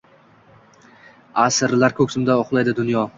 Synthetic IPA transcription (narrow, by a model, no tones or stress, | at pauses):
asɾlaɾkʰɵkʲsɪmd̪aoχlˠajd̪ɪd̪ʊnjɒ